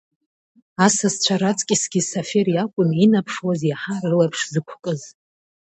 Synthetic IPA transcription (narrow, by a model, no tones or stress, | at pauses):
asast͡ɕʷʰaɾat͡sʼkʲʼisɡʲisafeɾjakʷʼʊninapʰʂwazjaħarɨlapʰʂzɨkʷʰkʼɨz